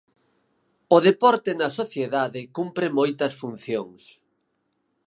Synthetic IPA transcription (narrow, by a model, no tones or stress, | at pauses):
ʊðepɔɾt̪enɐsoθjeðaðɪkumpɾɪmojt̪ɐsfun̟θjoŋs